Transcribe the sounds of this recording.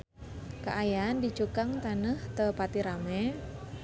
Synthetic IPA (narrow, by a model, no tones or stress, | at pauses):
ka̰ʔajandit͡ʃukaŋt̪anəht̪əpat̪iɾamɛ